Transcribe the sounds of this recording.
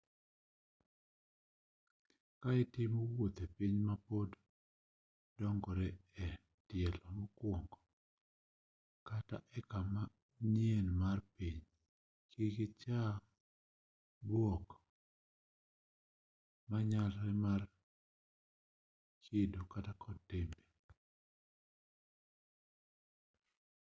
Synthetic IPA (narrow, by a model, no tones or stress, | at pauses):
kaɛtɪmowot̪epiɲmapod | dɔŋɡɔɾɛɛ | tɪjɛlɔmokwoŋɡɔ | kata̰ʔɛkama | njenmarpiɲ | kʰikɪt͡ʃa | bwok | maɲalːɛmar | kʰɪdokatakʰɔtembe